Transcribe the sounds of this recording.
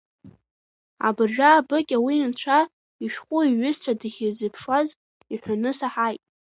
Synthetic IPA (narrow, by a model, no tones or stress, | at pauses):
a̰bɨrʒᶣaːbɨkʲʼawint͡ɕʷʰa | iʃᶣχʷʼʊiɥʏzt͡ɕʷʰadɨχʲɪzɨpʰʂwaz | iħʷanɨsaħajtʼ